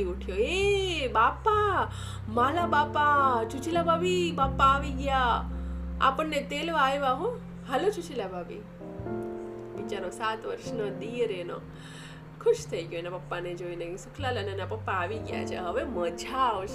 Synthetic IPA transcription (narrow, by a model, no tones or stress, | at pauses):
iuʈʰjoebapːa | malabapat͡ʃut͡ʃilabʱabibapːaːʋiɡja | a̰pəɳːet̪elʋajʋaɦõ | ɦəlot͡ʃut͡ʃilabʱabḭ | bit͡ʃaɾõsat̪ʋə̰ɾʃnəd̪iɾeno̰ | kʰʊʃt̪ʰəiɡjonepɐpːaned͡ʒoinesʊkʰlalənenapəpːaːʋiɡja̰t͡ʃʰḛɦəʋeməd͡ʒʱa